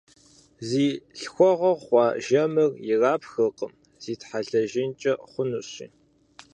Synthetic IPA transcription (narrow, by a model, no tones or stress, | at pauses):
ziːɬxʷɔʁɐʁχʷɑːʒɐmɨrjɪraːpxɨqʼəm | z̥iːtħaɮɐʒɪnt͡ʃʼɐχʷʊnuɕḭː